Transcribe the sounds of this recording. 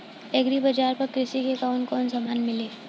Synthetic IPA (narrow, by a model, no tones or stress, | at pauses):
eɡɾibɐd͡ʒaːɾpɐɾkɾɪsikekaʊnkɔːnsamaːnmɪleː